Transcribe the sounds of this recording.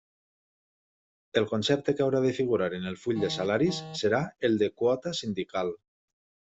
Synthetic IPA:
elˠkonsɛp̚t̪ekawɾaðefiɣ̞uɾaɾenelfuʎʲd̪esalaɾisːeɾaelˠd̪ekuɔt̪asind̪ikal

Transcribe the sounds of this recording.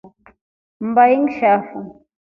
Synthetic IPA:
m̩bajiŋʃafuŋ

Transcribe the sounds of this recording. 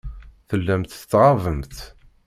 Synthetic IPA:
θəlːæmt̪ət͡sːʁɑvəmt̪

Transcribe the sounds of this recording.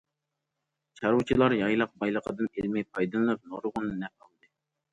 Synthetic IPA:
t͡ʃʰɑɾut͡ʃʰilˠɑɾjɑjlˠɑq̚bɑjlˠəqʰəd̪ɨnelmɛjpʰɑjd̪ɨnlːˠɨp̚noɾʁʊnɨnɛp̚ɑlˠd̪ɨ

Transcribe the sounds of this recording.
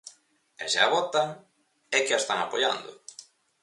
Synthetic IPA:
ɛ̰ʃa̰βɔt̪aŋ | ɛkɪast̪aŋapoja̰nd̪ʊ̰

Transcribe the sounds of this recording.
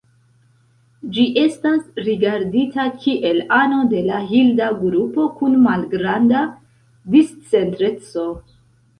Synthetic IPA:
d͡ʒiʔe̞stasɾiɡaɾditakʰiʔe̞lano̞de̞laɦildaɡɾupo̞kunmalɡɾanda | dist͡se̞ntɾe̞t͡so̞

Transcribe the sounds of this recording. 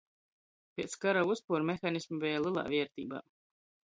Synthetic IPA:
pʲɛt̪skaɾauspuɾmexanismavɛjlˠilˠa̰ːviɛɾt̪ḭːba̰ː

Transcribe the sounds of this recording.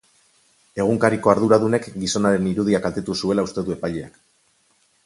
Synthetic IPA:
e̞ɣ̞uŋkaɾiko̞aɾðuɾaðune̞kɡiso̞naɾe̞niɾuðiakalt̪e̞t̪usue̞laust̪e̞ðue̞paʎea̰k

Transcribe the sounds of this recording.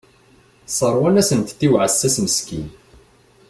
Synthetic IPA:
sˤərˤwænæsənt̪θiwʕasːæsməskḭn

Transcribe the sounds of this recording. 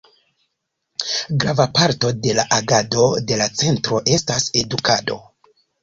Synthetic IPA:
ɡɾavapaɾto̞de̞laʔaɡado̞de̞lat͡se̞ntɾo̞ʔe̞stase̞dukado̞̰

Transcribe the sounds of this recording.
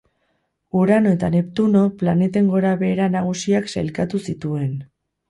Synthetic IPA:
uɾano̞e̞t̪ane̞pt̪uno̞plane̞t̪e̞ŋɡo̞ɾaβe̞ːɾanaɣ̞usiaksajlkat̪usit̪ue̞n

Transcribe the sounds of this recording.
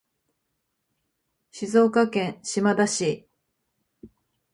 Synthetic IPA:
ɕizo̞ːkakẽɰ̃ɕimad̪aɕi

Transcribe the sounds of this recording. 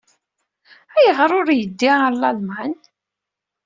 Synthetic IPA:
æjəʁɾˤʊɾjəd̪ːiʁalːɑlmæn

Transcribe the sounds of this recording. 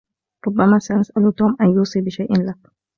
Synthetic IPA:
ɾˤʊbːamaːsaʔasʔalut̪oːmʔanjuːsˤiːbɪʃajʔɪnlak

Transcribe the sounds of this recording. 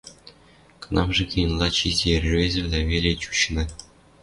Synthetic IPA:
k̆nɑmʐɘ̆kʲijɤ̆nlˠɑt͡ɕierʲvʲezʲɘ̆vlʲævʲelʲet͡ɕu̥ɕnɤ̆

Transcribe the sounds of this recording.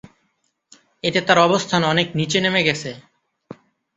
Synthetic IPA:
eʈet̪aɾɔbost̪ʰanɔneknit͡ɕenemeɡɛt͡ɕʰe

